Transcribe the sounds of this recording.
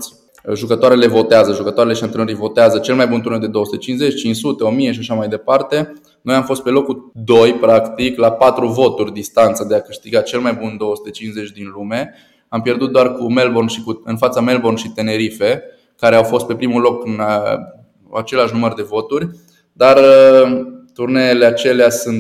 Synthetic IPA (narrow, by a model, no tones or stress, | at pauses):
sʲ | ʒukət̪oaɾe̞levo̞t̪eazəʒukət̪oaɾeleʃiant̪ənəɾijvo̞t̪eazət͡ʃe̞lmajbunt̪uɾnewd̪e̞d̪oəsu̥t̪e̞t͡ʃinze̞t͡ʃʲt͡ʃinssut̪e̞o̞mije̞ʃiaʃamajd̪e̞part̪e̞ | no̞jamfo̞st̪̚pe̞lo̞kud̪o̞jpɾakt̪iklapat̪ɾuvo̞t̪urʲd̪ist̪ant̪sad̪e̞akɨʃt̪iɡat͡ʃe̞lmajbund̪o̞wəsu̥t̪e̞t͡ʃinsze̞t͡ʃʲd̪inlume̞ | ampje̞rd̪ut̪̚d̪oarkume̞lbo̞rnʃikuɨnfat̪same̞lbo̞rnʃit̪e̞ne̞ɾife̞ | kaɾe̞awfo̞st̪̚pe̞pɾimulo̞kɨnə | at͡ʃe̞leaʃ̬numərd̪e̞vo̞t̪urʲ | d̪arə | t̪urnele̞at͡ʃe̞leasunt̪